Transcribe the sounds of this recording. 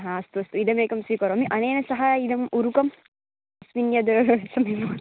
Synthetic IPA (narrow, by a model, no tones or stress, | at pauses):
ɦaɐst̪uɐst̪uid̪ɐmeːkɐmsiːkɐɾoɐmiʔɐneːnɐsɐɦaid̪ɐmʔuɾukɐm | ɐsminːjɐd̪ɐɾɐɾɐʋesɐmemoː